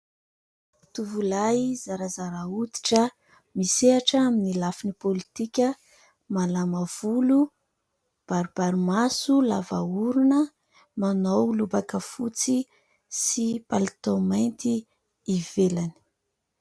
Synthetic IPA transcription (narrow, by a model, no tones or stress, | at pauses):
t̪uvulaizaɾazaɾaut̪i̥ʈ͡ʂə | miseaʈ͡ʂaminilafinipolit̪ikʲə | malamav̥ulu | b̥aɾub̥aɾimasulavauɾunə | manowlubakəfut͡si | sipalit̪omant̪iː | velani̥